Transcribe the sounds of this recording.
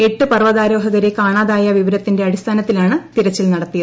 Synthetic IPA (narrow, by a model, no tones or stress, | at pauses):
e̞ʈːɨpɐrʋɐðaːɾo̞ːɦɐɣɐɾekaːɳaːðaːjɐʋiʋɐɾɐt̪ːinde̞ɐɽist̪ʰaːnɐt̪ːilaːɳɨt̪iɾɐt͡ɕːilnɐɽɐt̪ːijɐð